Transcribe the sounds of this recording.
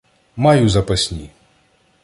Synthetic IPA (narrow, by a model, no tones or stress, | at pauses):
majuzɐpɐsʲnʲi